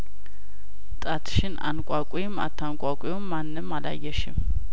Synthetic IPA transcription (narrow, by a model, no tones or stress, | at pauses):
t̪ʼat̪ʰʃɪna̰nkʷʼakʷʼijɪma̰t̪ʰːankʼakʷʼʊjomːanːɨmːala̰jːɛʃɪm